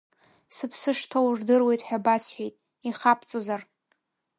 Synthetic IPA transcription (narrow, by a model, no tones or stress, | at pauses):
sɨpʰsɨʂtʰowʐdɨrwe̞jtʼħᶣabasħʷᶣejtʼ | iχapʰt͡sʼozar